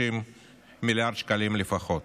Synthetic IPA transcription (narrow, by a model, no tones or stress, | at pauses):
imː | iljaʁd̪ʃkalimlefaχot̪